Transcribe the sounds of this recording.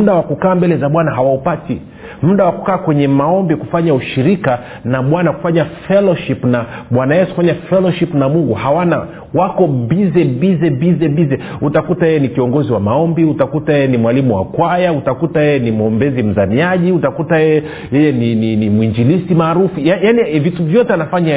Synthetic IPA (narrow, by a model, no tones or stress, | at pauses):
m̩ɗawakukaːmbɛlɛzaɓwanaɦawaupati | m̩ɗawakukaːkwɛɲɛmaɔmbikufaɲauʃiɾika | naɓwanaku̥faɲafɛlɔʃipnaɓwanajɛsu̥kufaɲafɛlɔʃipnamuŋɡuhawana | wakɔbizɛbizɛbizɛbizɛutakutajɛjɛnikiɔŋɡɔziwamaɔmbiutakutajɛjɛnimwalimuwa̰kwajautakutajɛjɛnimuɔmbɛzim̩zamiaʄiutakutajɛjɛ | jɛjɛnininimwiɲd͡ʒilisimaːɾufujajanivituvjɔtɛanafaɲa